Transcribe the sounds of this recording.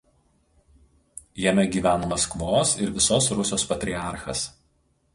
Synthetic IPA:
jɛmʲɛɡʲiːʋʲæːnɐmɐskʋoːsɪɾʋʲɪsoːsɾʊsʲoːspɐt̪ʲɾʲiɑˑɾxɐ̰s

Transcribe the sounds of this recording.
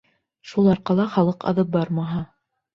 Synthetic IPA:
ʃulˠɑɾqɑlˠɑχɑlˠɤqɑ̰ðɤp̚bɑɾmɑɦɑ

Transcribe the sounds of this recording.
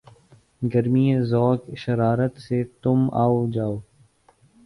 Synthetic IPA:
ɡəɾmiẽzɔːkʃɐɾaːɾət̪set̪ʊma̰ːod͡ʒaːoː

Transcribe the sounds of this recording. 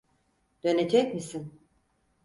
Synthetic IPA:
d̪̥ø̞ned͡ʒɛcʲmisin

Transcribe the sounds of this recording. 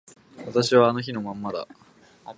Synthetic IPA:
βat̪aɕiβaːno̞çino̞mãmːad̪a̰

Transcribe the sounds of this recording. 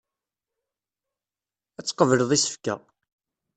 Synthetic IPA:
æt͡sːqəvələðˤisə̥fkæ̰

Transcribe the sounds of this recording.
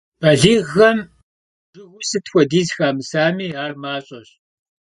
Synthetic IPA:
b̥ɐɮiːɣɐm | bɨwʷʊsɨtxʷɔdiːzxaːmɨsaːmiːaːrmaːɕʼɐɕ

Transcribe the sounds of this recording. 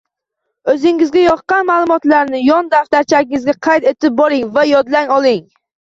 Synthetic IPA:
ɵzɪŋɪzɡʲajɒqqːɑnmaːlˠʊmɒt̪laɾnɪjɒnd̪aft̪aɾt͡ʃʰaɡʲɪŋɪzɡʲaqʰɑjt̪e̞t̪ʰɪp̚bɒɾɪŋvajɒd̪laŋɒlˠɪŋ

